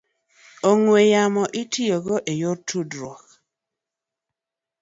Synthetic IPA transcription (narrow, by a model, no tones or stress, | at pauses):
oŋwejamɔʔɪtʰijoɡoʔejortʰudɾɔk